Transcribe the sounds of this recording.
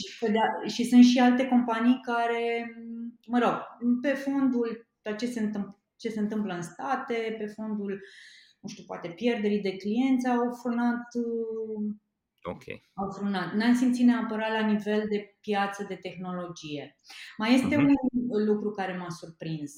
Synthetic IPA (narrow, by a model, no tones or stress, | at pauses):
ʃiped̪eaʃisɨnt̪ʃialt̪e̞ko̞mpanijkaɾe̞ | məɾo̞ɡ̥pe̞fo̞nd̪ult̪at̪t͡ʃe̞se̞ɨnt̪ɨmp | t͡ʃe̞se̞ɨnt̪ɨmpləɨnst̪at̪e̞pe̞fo̞nd̪ulnuʃt̪iupoa̰t̪e̞pje̞rd̪e̞ɾid̪e̞klije̞nt̪sawfɾunat̪ | o̰kʲḛ | awfɾunat̪nansimt̪sineapəɾat̪lanive̞ld̪e̞pjat̪səd̪e̞t̪e̞xno̞lo̞d͡ʒije̞ | maje̞st̪e̞unlukɾukaɾe̞masurpɾinz